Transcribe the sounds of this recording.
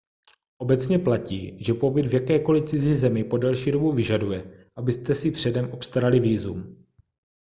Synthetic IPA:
ʔo̞bɛt͡sɲɛplaciːʒɛpo̞bɪd̪vjakɛːko̞lɪt͡sɪzɪzɛmɪpo̞dɛlʃiːdo̞buvɪʒadujɛʔabɪst̪ɛsɪpr̝̥ɛdɛmʔo̞pst̪aɾalɪviːzum

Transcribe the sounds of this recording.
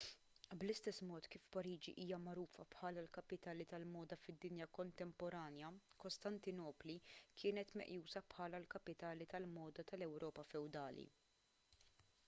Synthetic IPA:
blɪst̪ɛsːmɔːt̪kiːfpɐɾiːd͡ʒḭʔiːjɐmɐɾuːfɐpħɐːlɐlkɐpɪt̪ɐːlit̪ɐlmɔːd̪ɐfɪd̪ːɪnjɐkɔnt̪ɛmpɔɾɐːnjɐkɔst̪ɐnt̪ɪnɔːplikʰɪːnɛt̪mɛ̰ʔjuːsɐpħɐːlɐlkɐpɪt̪ɐːlit̪ɐlmɔːd̪ɐt̪ɐlɛwɾɔːpɐfɛwd̪ɐːlḭ

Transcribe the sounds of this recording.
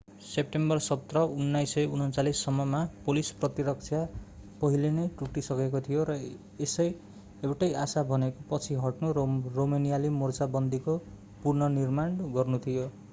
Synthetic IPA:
sep̚ʈembʌrsʌt̪rʌunːajsʌjunʌnt͡salisːʌmːʌmapolisprʌt̪iɾʌk̚t͡sʰjapʌɦilenʌjʈuʈisʌkekot̪ʰijoɾʌ | esʌj | ewʈʌjasabʱʌnekopʌt͡sʰiɦʌʈnuromenijalimort͡sabʌnd̪ʱiko | purnʌnirmaɳɡʌrnut̪ʰijo

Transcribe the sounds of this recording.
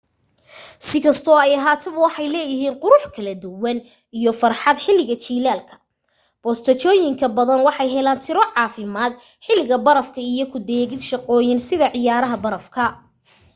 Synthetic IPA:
sɪkʰɐst̪ʰɔːɛjɐɦaːt̪ʰɐβɐwɑħɑjlɛːjɪɦiːnqʊɾʊħkʰɐlɐd̪ʊwɐn | ʔijɔfɐrħɑd̪ħɪlːɪɣɐt͡ʃiːlaːlkʰɐ̥ | b̥ɔːst̪ʰɐt͡ʃɔːjɪŋkʰɐbɐðɐnwɑħɑjɦɛlaːnt̪ʰɪɾɔʕɑːfɪmaːd̪̚ | ħɪlɪɣɐbɐɾɐfkʰɐijɞkʰʊd̪ɛːɣɪd̪ʃɑqɔːjɪnsɪðɐʕɪjaːɾɐɦɐbɐɾɐfkʰɐ

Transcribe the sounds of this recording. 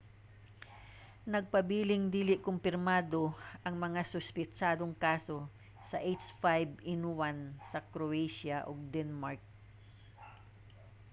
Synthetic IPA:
nɐɡ̚pɐbiːlɪŋd̪iːlɪʔkʊmpɪɾmaːd̪o̞ʔɐŋmɐŋasʊspɪt͡ʃaːd̪oŋkaːso̞ | sɐʔejt͡ʃfajbɪnwansɐkɾoɛjʃaʔoɡ̚d̪ɛnmaɹk̚

